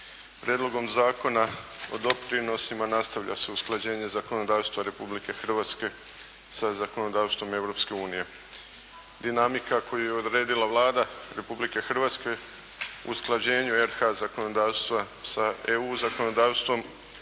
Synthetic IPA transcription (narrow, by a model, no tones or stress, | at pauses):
pɾjed̪lˠo̞ɡo̞mzaːko̞nao̞̰d̪o̞pɾino̞simanast̪aʋʎa̰se̞usklˠad͡ʑe̞ːɲe̞zako̞no̞d̪aːʋst̪ʋaɾe̞publike̞xr̩ʋaːt̪ske̞ | sazako̞no̞d̪aːʋst̪ʋo̞me̞wɾo̞pske̞uːnije̞ | d̪inamikako̞jujeod̪ɾe̞ːd̪ilaʋlˠaːd̪aɾe̞publike̞xr̩ʋat̪ske̞ | ṵsklˠad͡ʑe̞ːɲueɾxazako̞no̞d̪aːʋst̪ʋa | saeuːzako̞no̞d̪aːʋst̪ʋo̞m